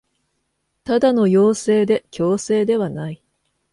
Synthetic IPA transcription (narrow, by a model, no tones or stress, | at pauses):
t̪ad̪ano̞jo̞ːse̞ːd̪e̞kʲo̞ːse̞ːd̪e̞βanai